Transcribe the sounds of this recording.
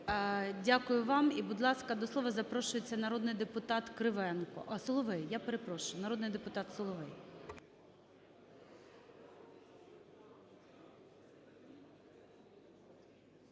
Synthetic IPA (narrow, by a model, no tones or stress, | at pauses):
dʲakʊjʊʋɑmibʊd̪lˠɑskɐd̪ɔslˠɔʋɐzɐpɾɔʃʊjet͡sʲːɐnɐɾɔd̪nɪjd̪epʊt̪ɑt̪kɾɪʋɛnkɔ̰ʔɐsɔlˠɔʋɛjjapeɾepɾɔʃʊjʊnɐɾɔd̪nɪjd̪epʊt̪ɑt̪sɔlˠɔʋɛj